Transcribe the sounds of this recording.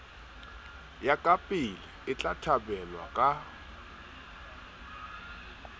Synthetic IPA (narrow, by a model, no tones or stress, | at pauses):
jakʼapʼɪlɪɪt͡ɬʼatʰabɛlwa̰kʼa